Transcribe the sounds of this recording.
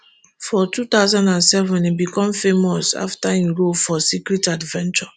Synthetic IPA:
fɔtut̪aʊzãndãnsɛvɔ̃nibikɔ̃mfemɔsa̰ftajiɹofɔsikɹitadvɛ̃nt͡ʃɔ

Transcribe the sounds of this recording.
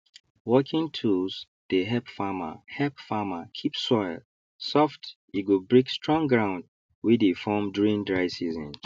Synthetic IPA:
wɔkʰĩŋtʰuls | d̥eɦɛpfama̰hɛpfamakʰipsɔɪl | sɔft | iɡobɹekstɹɔ̃ŋɡɹãʊ̃nd | widefɔmduɹĩndɹaɪsizɔ̃n

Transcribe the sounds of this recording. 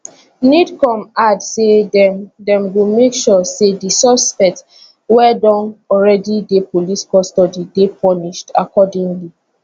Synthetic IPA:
nidkɔ̃madsedɛ̃mwilmekʃɔsedisɔspɛkt | wɛdɔ̃nɔɹɛdidepoliskɔstɔdidepɔniʃtakɔdĩŋli

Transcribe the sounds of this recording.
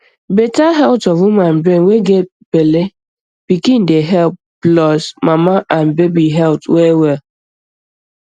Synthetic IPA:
betaɦɛltɔvuman̩bɾẽnweɡe | pele | b̥ikindeɦɛlp̚ | blɔsmamaʔanbebiɦɛltwɛwɛ

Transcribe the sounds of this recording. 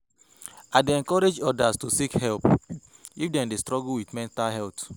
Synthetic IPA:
adeɛ̃ŋkɔɹed͡ʒɔdastusikhɛlp | ifdɛ̃ndestɹɔɡulwiθmɛ̃ntalɦɛlt

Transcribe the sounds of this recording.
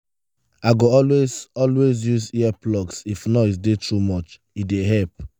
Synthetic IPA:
aɪɡoɔlwezɔlwezjuziɛplɔksifnɔitdetʰɹumɔt͡ʃ | ideɦɛlp̚

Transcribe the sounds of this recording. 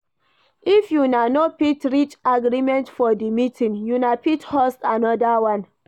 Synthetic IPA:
ifjunanopitɹit͡ʃaɡɾimɛ̃ntfɔdimitʰĩnjunapithɔstanɔdawãn

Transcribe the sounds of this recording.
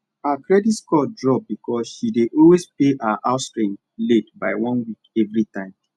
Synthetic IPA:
akɹɛditskɔdɹɔp̚bikʰɔsʃideʔɔlwespeʔaʔaʊtstɹĩ | letbaɪwɔ̃nwikɛvɹitãɪ̃m

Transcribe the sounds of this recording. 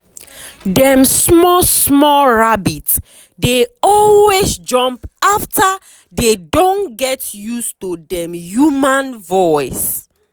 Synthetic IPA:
dɛ̃msmɔsmɔɹabit | deɔlwezd͡ʒɔ̃mpafta | dedõnɡɛtjustudɛ̃mjumãnvɔɪs

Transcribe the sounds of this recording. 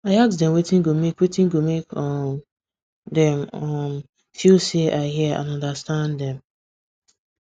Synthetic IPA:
aɪaksdɛ̃mwetĩŋɡomekwetĩnɡomekɔ | dɛ̃mʌm | filseʔaɪɦiəã̰nɔ̃ndastãndɛ̃m

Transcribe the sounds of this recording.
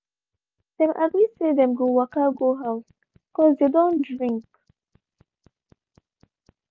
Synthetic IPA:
dɛ̃mʔa̰ɡlisedɛ̃mɡowakaɡoɦaws | kɔzd̪edõndɹĩŋk

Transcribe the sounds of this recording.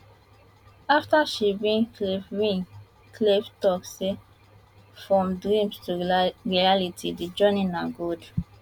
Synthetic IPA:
aftaʃibĩnklefɹĩn | kʰleftɔkse | fɹɔ̃mdɹĩmstuɹialitʰidid͡ʒɔninaɡod

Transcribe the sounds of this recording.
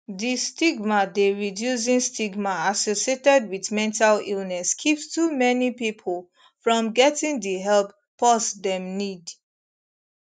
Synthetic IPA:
distiɡmadeɹidjus̬ĩnstiɡmaasosietɛd̚wiðmɛ̃ntalilnɛskʰiptumɛnipipʰəlˠ | fɹɔ̃mɡɛtĩŋdiɦɛlpːʰ | ɔsdɛ̃mnid

